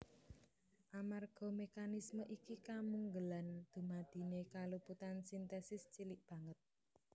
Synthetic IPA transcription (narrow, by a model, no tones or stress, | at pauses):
ʔamarɡ̥ɔ̤mekanisməʔikikamuŋɡəland̪̥ṳmad̪̥i̤nekaluput̪ansint̪ɛsɪst͡ʃilɪʔb̥ä̤ŋət̪̚